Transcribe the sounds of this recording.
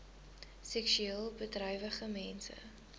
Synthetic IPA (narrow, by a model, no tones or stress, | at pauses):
sɛksyeːlˠbətrœjvəχəmɛnsə̰